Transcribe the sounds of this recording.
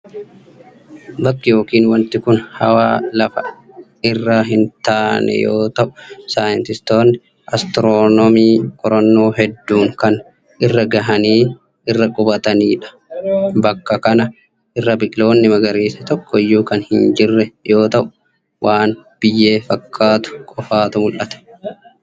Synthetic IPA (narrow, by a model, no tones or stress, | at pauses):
bɐkːɪjo̞ːkiːnwɐnt̪ɪkʊnhɐwaːlɐfɐ | ɪrːaɦɪnt̪aːnɛ̰jo̰ːt̪ɐʔʊ̥saːjɪnt̪ɪst̪o̞ːnːɪ | ʔɐst̪ɪɾoːnɔmiːkʼɔɾɐnːo̞ːɦɛd̪ːuːŋkɐn | ʔɪrːɐɡɐɦɐniː | ɪrːɐkʼʊbɐt̪ɐniːᶑɐ̥ | bɐkːɐkɐnɐ | ʔɪrːɐbɪʔlo̞ːnːɪmɐɡɐɾiːsɐt̪ɔkʰːɔɪjːuːkɐnhɪnd͡ʒɪrːɛjo̞ːt̪ɐʔʊ̥ | wʔaːnb̥ɪjːe̞ːfɐkʰːaːt̪ʊ̥kʼɔfaːt̪ʊmʊlʔɐt̪ɐ̥